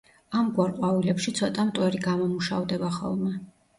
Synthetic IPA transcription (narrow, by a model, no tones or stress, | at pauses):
amɡwaɾqʼwavilɛpʃit̪sʰɔt̪ʼamt̪ʼwɛɾiɡamɔmuʃa̰vd̪ɛbaχɔ̰lˠmɛ